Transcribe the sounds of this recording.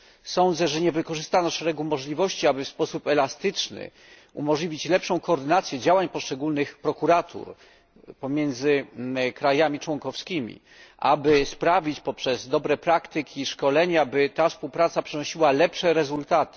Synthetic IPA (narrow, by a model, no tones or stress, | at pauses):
sɔnd̪zɛʐɛɲɛvɘkɔʐɘst̪anɔʂɛɾɛɡumɔʐlʲivɔɕt͡ɕiabɘfspɔsupɛlast̪ɘt͡ʂnɘ̰ | ṵmɔʐlʲivʲit͡ɕlɛpʂɔ̃w̃kɔːɾd̪ɘnat̪sʲjɛd͡ʑawaɲpɔʂt͡ʂɛɡulnɘxpɾɔkuɾat̪ʰṵɾ | pɔmʲjɛnd̪zɘkɾajamʲit͡ʂwɔŋkɔfskʲimʲḭ | ʔa̰bɘspɾavʲit͡ɕpɔpʂɛzd̪ɔbɾɛpɾakt̪ɘkʲiʂkɔlɛɲabɘt̪afspuwpɾat̪sapʂɛnɔɕiwalɛpʂɛɾɛzult̪at̪ɘ̥